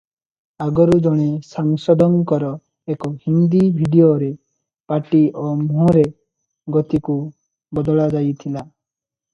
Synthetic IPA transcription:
aɡɔɾud͡ʒɔɽ̃esaŋsɔd̪ʱɔŋkɔɾɔ | ekɔhind̪ibʱiɖioɾe | paʈiʔomũɾe | ɡɔt̪iku | bɔd̪ɔɭad͡ʒajt̪ʰila

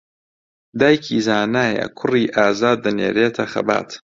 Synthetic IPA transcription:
d̪aːjkʰizaːnaːjɐ̰kʰʊriːʔaːzaːd̪ːɐnḛːɾeːt̪ʰɐxɐ̰ba̰ːt̪

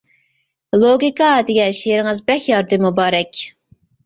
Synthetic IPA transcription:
lˠoɡʲikɑd̪ɪɡʲɛnʃieɾɪŋɨzbɛkjɑɾd̪ɨmubɑːɾɛkʲ

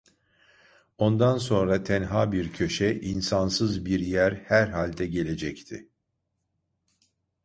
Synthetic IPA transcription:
o̞nd̪anso̞nɾat̪ʰɛnɦaːbiɾcʰø̞ʃɛʔinsansɯzbiɾjæɾhæɾɦalʲd̪ɛɟe̞lʲe̞d͡ʒɛct̪ʰɪ̰

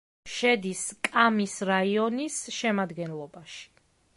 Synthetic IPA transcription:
ʃɛd̪iskʼamisɾaiɔnisʃɛmad̪ɡɛnlˠɔbaʃi̥

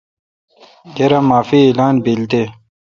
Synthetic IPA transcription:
ɡɐɾamaːfieːlaːnbilt̪e

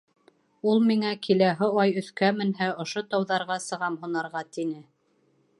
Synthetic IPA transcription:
ulˠmiŋækʰilæɦɘɑjɵ̆θkæmɘ̆nɦæŏʃot̪ɑwðɑɾʁɑsɤ̆ʁɑmhunɑɾʁɑt̪inɘ

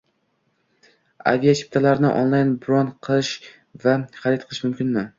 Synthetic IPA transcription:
a̰vijat͡ʃʰi̥p̚t̪ʰalaɾnɪ̰ʔo̰nlˠajnbɾond̪qʰɨlˠɪʃ | vaχaɾɪt̪̚qɨlˠɪʃmʊmkʲʰɪnmɪ

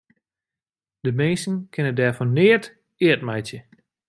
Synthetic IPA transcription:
d̥əmensn̩kʰɪnədɛɹfɔnnɪət | ɪətmɛjtjə

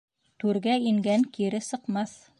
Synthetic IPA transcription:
t̪ʉɾɡæiŋɡæŋkiɾɘsɤ̆qmɑθ

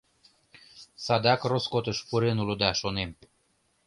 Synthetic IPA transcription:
sɑd̪ɑkroskot̪əʃpuɾenulod̪ɑʃonem

